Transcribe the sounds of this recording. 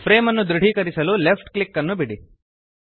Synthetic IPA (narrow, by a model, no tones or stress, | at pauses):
pʰɾeːmɐnːud̪ɾiɽ̤ʱikɐɾisɐlulepʰʈklikːɐnːubiɽi